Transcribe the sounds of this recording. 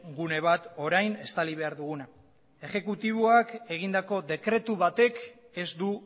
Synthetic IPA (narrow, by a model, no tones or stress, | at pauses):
ɡune̞β̞at̪o̞ɾajne̞st̪aliβ̞e̞aɾðuɣ̞una | e̞ʝe̞kut̪iβ̞oake̞ɣ̞ind̪ako̞ðe̞kɾe̞t̪uβat̪e̞k | e̞zd̪u